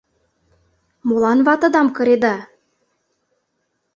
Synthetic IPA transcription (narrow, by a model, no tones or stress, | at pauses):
molˠɑnvɑt̪ɤ̆d̪ɑmkɤ̆ɾed̪ɑ